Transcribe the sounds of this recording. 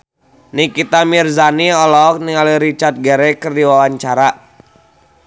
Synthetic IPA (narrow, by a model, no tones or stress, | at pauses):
nikit̪amirzaniɔlɔk̚niŋaliɾit͡ʃart̪̚ɡɛɾɛkɨrdiwawaɲt͡ʃaɾa